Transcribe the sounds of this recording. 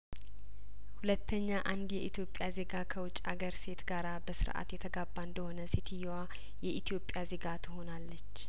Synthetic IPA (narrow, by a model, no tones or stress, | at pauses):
hulət̪ʰːəɲːaʔand̪jɛʔit̪ʰijo̞pʼːjaze̞ɡakʰəwʊt͡ʃʼaɡəɾse̞t̪ɡaɾabəsɨ̰ɾʔa̰t̪jɛt̪ʰəɡabːand̪əho̞nəsit̪ʰijwa | jɛʔit̪ʰijo̞pʼːjaze̞ɡat̪ʰho̞nalːət͡ʃː